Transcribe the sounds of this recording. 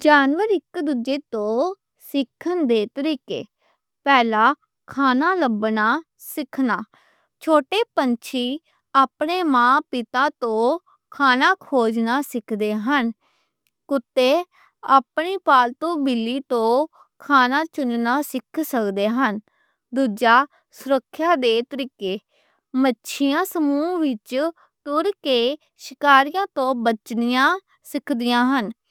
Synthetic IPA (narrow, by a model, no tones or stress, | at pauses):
d͡ʒaːnʋəɾɪkd̪ud͡ʒeːt̪õː | sɪkʰːənd̪eːt̪əɾiːkḛː | pɛːlaː | kʰaːnaːləbnaː | sɪkʰnaː | t͡ʃʰoːʈeːpənt͡ʃʰiː | aːpɳeːmãːpɪt̪aːt̪õː | kʰaːnaːkʰoːd͡ʒnaːsɪkʰd̪eːɦən | kʊt̪ːeː | aːpniːpaːlt̪õːbɪlːiːt̪õː | kʰaːnaːt͡ʃʊnnaːsɪkʰsəkd̪eːɦən | d̪uːd͡ʒaː | sʊɾəkʰːjaːd̪eːt̪əɾiːkeː | mətːʃʰɪjãːsəmuːʋɪt͡ʃ | t̪ʊɾkeː | ʃɪkaːɾɪjãːt̪õːbət͡ʃnɪjãː | sɪkʰd̪ɪjãːɦən